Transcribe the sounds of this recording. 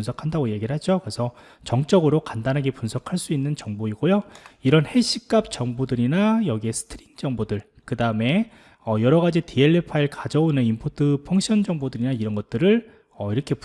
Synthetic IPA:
nsʰʌkʰandaɡojeɡiɾɯɭɦad͡ʑokɯɾe̞sʰʌ | t͡ɕʌŋt͡ɕ͈ʌɡɯɾokandanɦaɡepunsʰʌkʰaɭs͈uinːɯnt͡ɕʌŋboiɡojoiɾʌnhe̞ɕ͈ʰik͈ap̚t͡ɕʌŋbodɯɾinajʌɡie̞sʰɯ̥tʰɯɾiŋd͡ʑʌŋbodɯɭ | kɯdaɯme̞ | ʌjʌɾʌɣad͡ʑitieɭːepʰaiɭkad͡ʑʌonɯnimpʰotʰɯpʰʌŋkɕʰʌnd͡ʑʌŋbodɯɾinaiɾʌnɡʌt̚t͈ɯɾɯɭ | ʌiɾʌkʰe̞p

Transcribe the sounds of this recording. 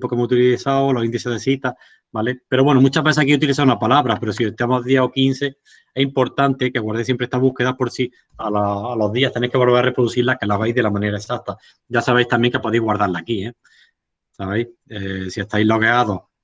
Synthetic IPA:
po̞kemohut̪ilθawolo̞sind̪iseðesit̪a | balepe̞ɾoβwe̞nomũt͡ʃaβe̞sehakiut̪iliθaunapalaβɾape̞ɾosiet̪amoðjeho̞kin̟θe̞ | e̞himpo̞ɾt̪ant̪e̞keɣwaɾðesjempɾeest̪aβuhke̞ðapo̞ɾsi | alaːlo̞ðiaht̪enejkelβeɾare̞pɾoðuθiɾlahkelaβejðe̞lamãne̞ɾaesat̪a | ɟ͡ʝasaβejst̪ambjeŋkepo̞ðiɣwaɾðaɾlaːkie | saβejesie̞st̪ajlo̞ɣe̞aðo̞

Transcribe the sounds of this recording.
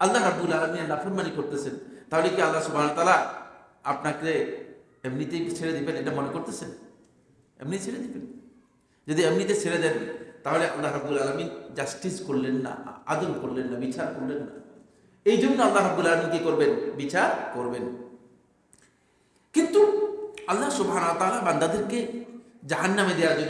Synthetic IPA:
alːaɦɾɐbbulalaminenafnmanikoɾt̪esʰent̪aɦolekialːasubʱanaaɾt̪aːla | apnakɾe | emnit̪et͡ɕʰeɾed̪ibeneʈamɔnekoɾt̪esʰen | ḛmnit͡ɕʰeɾed̪iben | d͡ʒod̪iamnit̪esʰeɾed̪ent̪aɦoleʔa̰lːaɦɾabːulaːlamind͡ʑasʈiskoɾlenːa̰a̰d̪olkoɾlenːabit͡ɕaɾkoɾlenːa̰ | ejd͡ʑonːoalːaɦɾɐbb̪ulaːlaminkikoɾbenbit͡ɕaɾkoɾben | kint̪uɐlːaɦsubɦanawat̪aːlaband̪ad̪eɾke | d͡ʑaɦanːamed̪ejaɾd͡ʑonː

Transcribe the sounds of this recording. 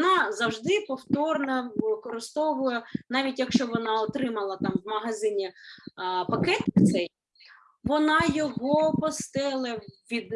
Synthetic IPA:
nɑzɐwʒd̪ɪpɔwt̪ɔrnɐʋɪkɔɾɪst̪ɔʋʊjɛnɑʋʲitʲjɐkʃt͡ʃɔʋɔnɑɔt̪ɾɪmɐlˠɐt̪ɑmʋmɐɦɐzɪnʲi | pɐkɛt̪t̪sɛj | ʋɔnɑjɔɦɔpɔst̪ɪlˠɐʋʲid̪

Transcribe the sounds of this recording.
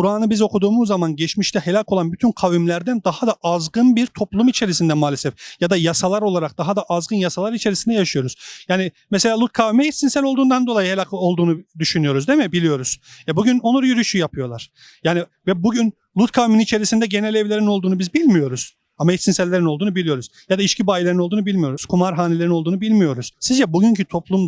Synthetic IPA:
uɾaːnɯbizo̞kud̪uːmuzːamanɟɛt͡ʃmiʃt̪ʰɛhelʲakolˠanbyt̪ʰynkʰavimlʲæɾd̪ænd̪ahad̪aʔazɡɯnbiɾt̪ʰo̞plˠumit͡ʃʰe̞ɾisind̪ɛmaːlʲesɛfjad̪ajasalˠaɾo̞lˠaɾak̚d̪̥aɦad̪aʔazɡɯnjasalˠaɾit͡ʃʰe̞ɾisind̪ɛjaʃɯjo̞ɾuz̥jaːni | mɛse̞lʲaːlˠut̪̚kʰavimɛit̪sinsælʲo̞lˠd̪uːnd̪and̪o̞lˠajɯhelʲakʰo̞lˠd̪uːnud̪yʃynyjo̞ɾuzd̪emɛbilʲijo̞ɾuz̥jabuɟyno̞nˠuɾjyɾyʃyjapʰɯjo̞lˠaɾ̥ | jaːnivɛbuɟyn | lˠut̪̚kʰavminit͡ʃʰe̞ɾisind̪ɛɟe̞nɛlʲɛvlʲe̞ɾino̞lˠd̪uːnubizbilʲmijo̞ɾuz̥ | amait̪sinsællʲːeɾinolˠd̪uːnubilʲijo̞ɾuzjad̪aiʃcibaːjilʲeɾinold̪uːnubilʲmijo̞ɾuz̥kʰumaɾɦaːnelʲe̞ɾino̞lˠd̪uːnubilʲmijo̞ɾuz̥sizd͡ʒɛbuɟyɲcʰyt̪ʰo̞plˠum

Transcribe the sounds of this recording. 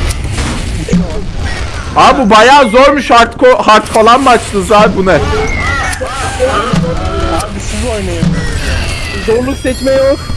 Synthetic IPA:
abubajaːzoɾmuʃhaɾt̪kʰohaɾt̪falˠanmat͡ʃt̪ɯzaɾbunɛ | bisinojnajam | zoɾlˠuksɛcmɛjok

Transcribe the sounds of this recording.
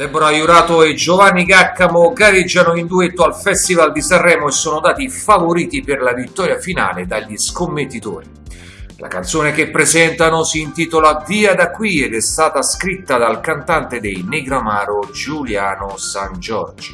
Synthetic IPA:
d̪ɛbːonoajuɾaːt̪oed͡ʒovanːiɡakːamoɡaɾed͡ʒːanoind̪uet̪ːoalfɛst̪ivald̪isarːɛːmoesːoːnod̪aːt̪ifavoɾiːt̪ipɪrlavit̪ːɔːɾjafina̰ːled̪aʎːiskomːet̪ːit̪o̰ːɾi | la̰kant̪soːnek̟epːɾezɛnt̪anosiːnt̪iːt̪olaviːad̪akːwiɛd̪ɛst̪aːt̪askɾit̪ːad̪alkant̪ant̪ed̪ejneɡɾamaːɾod͡ʒuljaːnosand͡ʒɔ̰rd͡ʒo̥

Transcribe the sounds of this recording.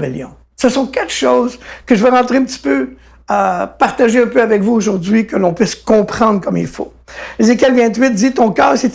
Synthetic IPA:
bɛljɔ̃ | səsɔ̃kat̪ʃoːzkəʒəvɛʁɑ̃t̪χeɛ̃pt̪i̥pø | əpaʁt̪aʒeɛ̃pøavɛkvuoʒuʁdd͡zɥikəlɔ̃pɥɪskɔ̃pχɑ̃d̪ʁkɔmḭlfo̰ | ezek̬ʲɛlvɛ̃t̪ɥɪt̪̚d̪it̪ɔ̃kœːʁset̪

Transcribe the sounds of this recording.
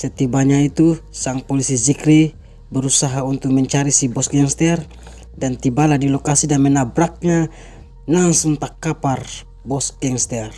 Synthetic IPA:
sɛt̪ibaɲait̪usaŋpɔlisid͡ʒikɾi | bəɾusaɦaunt̪uk̚mɛɲt͡ʃaɾisibɔsɡɛŋst̪ɛr | dant̪ibaladilɔkasidamɛnabɾak̚ɲa | naŋsunt̪akːapar | bɔsɡɛŋst̪ɛr

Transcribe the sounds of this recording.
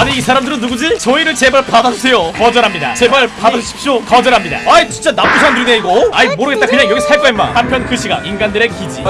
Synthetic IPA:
aneisʰaɾamdɯɾɯnːuɡud͡ʑit͡ɕʌiɾɯɭt͡ɕe̞baɭpadad͡ʑusʰe̞jokʌd͡ʑʌɾɦamɲida̰t͡ɕe̞baɭpadad͡ʑuɕʰi̥p̚ɕ͈okʌd͡ʑʌɾɦamɲida̰ait͡ɕut͡ɕ͈anap͈usʰaɾandɯdeiɡoaimoɾɯɡet͈akɯɲaŋjʌɡisʰaɭk͈ʌɦemːa̰hampʰjʌnkɯɕʰiɡa̰inɡandɯɾe̞kid͡ʑḭ

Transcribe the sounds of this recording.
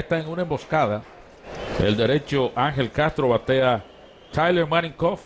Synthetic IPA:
est̪aeŋunaẽmbo̞skaða | ḛld̪e̞ɾe̞t͡ʃoʔaŋɦe̞lkast̪ɾo̞βat̪ea | t̪ʰajleɾmanĩŋkof

